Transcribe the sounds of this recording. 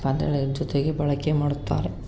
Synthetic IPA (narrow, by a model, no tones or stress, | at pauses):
and̪ḛɭed͡ʒɔt̪eɡebɐɭɐkemaːɽut̪ːa̰ːɾe